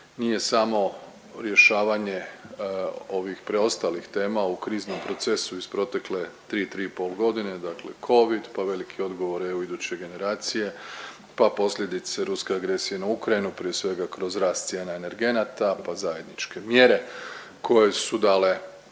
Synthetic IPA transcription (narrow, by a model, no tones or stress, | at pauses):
nije̞samo̞ | ɾje̞ʃaːʋaɲe̞ | o̞ʋixpɾeo̞st̪alixt̪e̞ːmaukɾiːzno̞mpɾo̞t̪se̞suiz̥pɾo̞t̪e̞kle̞t̪ɾiːt̪ɾiːpo̞lɡo̞d̪ined̪aklḛkʰo̞ʋid̪paʋe̞likʰio̞d̪ɡo̞ʋo̞ɾeuid̪ut͡ɕe̞ɡe̞ne̞ɾaːt̪sije̞ | papo̞sʎʲje̞d̪it̪seɾuske̞aɡɾe̞sije̞naukɾajinupɾije̞sʋe̞ɡakɾo̞zɾaːst̪sje̞ːnaene̞ɾɡe̞nat̪apazaje̞d̪nit͡ʃke̞mje̞ɾe̞ | kʰo̞je̞sud̪aːle̞